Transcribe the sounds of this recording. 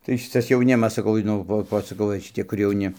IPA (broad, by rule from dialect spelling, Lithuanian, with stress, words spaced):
tɐɪ ˈʃʲɪtɐs jɛʊˈnʲɪmɐs sɐˈkɐʊ nʊ ˈʋoː ˈʋoː ɪ ʃʲɪˈtʲɪ kʊr jɛʊˈnʲɪ